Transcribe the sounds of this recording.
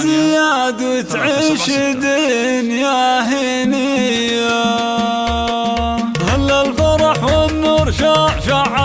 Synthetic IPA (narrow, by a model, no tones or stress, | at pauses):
ɪja | d̪wɪt̪ʕɪʃɪd̪i | njahɪ | ni | j | a | halːalfɑɾˤɑħwɪnːuːɾˤʃɑʃaʕa